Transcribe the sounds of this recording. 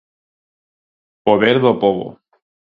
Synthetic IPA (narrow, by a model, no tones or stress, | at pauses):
poβeɾðopoβo̰